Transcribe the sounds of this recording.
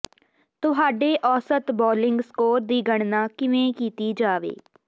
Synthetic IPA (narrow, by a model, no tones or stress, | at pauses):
t̪ʊɦaːɖeːʔɔːsət̪bɔːlɪŋɡskoːɾd̪iːɡəɳ̃naːkɪʋẽːkiːt̪iːd͡ʒaːʋḛː